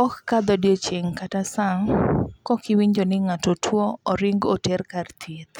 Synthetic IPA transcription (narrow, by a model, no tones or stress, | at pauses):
ɔkːad̪ɔdjot͡ʃeŋkatasaŋkɔkɪwiɲd͡ʒonɪŋatotʰwoɔɾɪŋɡotɛrkart̪ʰit̪